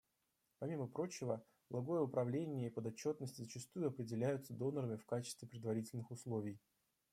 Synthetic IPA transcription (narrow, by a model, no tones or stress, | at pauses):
pɐmʲiməpɾo̞t͡ɕɪvə | lˠɐɡo̞jəʊpɾɐvlʲenʲɪjəipəd̪ɐt͡ɕːo̞t̪nəsʲtʲɪzət͡ɕɪst̪ujʊɐpɾʲɪdʲɪlʲæjʊt̪səd̪o̞nəɾəmʲɪfkat͡ɕɪ̥st̪vʲɪpɾʲɪd̪vɐɾʲitʲɪlʲnɨxʊslˠo̞vʲɪj